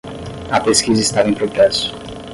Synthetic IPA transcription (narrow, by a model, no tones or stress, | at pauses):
ɐpeskizɐɪst̪avɐẽj̃pɾot̪ɾɛsʊ̥